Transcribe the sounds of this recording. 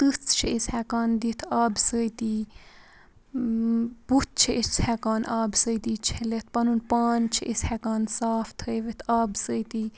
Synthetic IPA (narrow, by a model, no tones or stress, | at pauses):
t̪ɨt͡sʰt͡ʃʰiisʲhɛkaːnd̪it̪ʰaːbsəjt̪iː | but̪̚t͡ʃʰiʔist͡sʰhɛkaːnʔaːbsəjt̪iːt͡ʃʰelet̪̚ʰpɐnunpaːnt͡ʃʰiʔisʲhɛkaːnsaːft̪ʰəjʋet̪ʰaːbsəjt̪iː